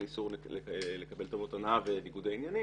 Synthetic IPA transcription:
isuʁelekabe̞ltomotanaveniɡudainjani

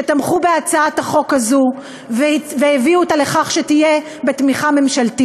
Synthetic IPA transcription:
etamχube̞at͡saat̪aχo̞khazu | vveeviutale̞χaχʃetije | betmiχame̞mʃalti

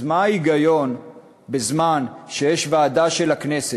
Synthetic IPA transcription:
maaiɡajo̞n | bezmanʃe̞jeʃvaːdaʃe̞lhakne̞se

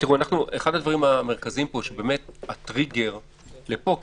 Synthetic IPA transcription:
t̪iʁuanaχnuʔeχad̪ad̪vaʁimame̞ʁkaziimpo̞ʃebe̞ːme̞t̪̚at̪ʁiɡe̞ʁ | lepo̞

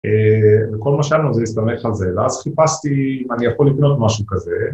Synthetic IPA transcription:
eveko̞lmaʃeanuzejist̪ame̞χalze̞vea̰z̥χipast̪imanijaχo̞lːikno̞t̪maʃukaze̞

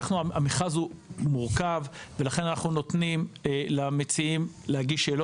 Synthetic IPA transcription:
χnuaamiχazhumuʁkavvelaχe̞nanaχnuno̞t̪nimlamet͡siimlehaɡiʃelo

